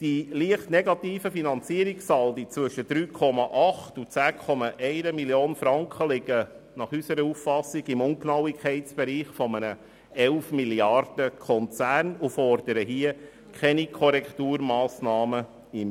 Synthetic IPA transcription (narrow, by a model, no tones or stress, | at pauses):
d̥iliəχtneɡɑtiːfəfinɑnt͡siːəɾiksɑldit͡sʋɵʃəd̥ɾyːkʰɔmɑʔɑχtut͡sæːkʰɔmɑʔɛɪɾəmiljoːnfɾɑŋkχəlɪɡə | nɑχysəɾəufːɑsːiɡɪmʊŋknɑwikʰχɛɪtt͡sb̥ɛɾiːχfɔmənə | ɛlfmiljɑrd̥əkʰɔnt͡sæːrnufɔrd̥əɾəɦiə | kʰɛnikʰɔɾɛktuːɾmɑːsnɑːmə | ɪm